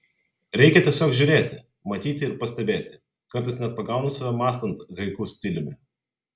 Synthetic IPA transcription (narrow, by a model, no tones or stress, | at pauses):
ɾʲɛɪkʲɛt̪ʲiɛsʲoːkʒʲʊɾʲeːt̪ʲɪ | mɐt̪ʲiːt̪ʲɪɪɾpɐsʲt̪ʲɛbʲeːt̪ʲɪ̥ | kɐɾˑt̪ɐɪsnʲɛt̪̚pɐɡɑˑʊnɐsɐʋʲɛmɑːst̪ɐnt̪ɣɐɪkʊsʲt̪ʲɪlʲɪmʲɛ